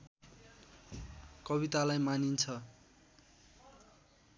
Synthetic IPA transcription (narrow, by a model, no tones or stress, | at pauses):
kʌβit̪alajmanint͡sʰʌ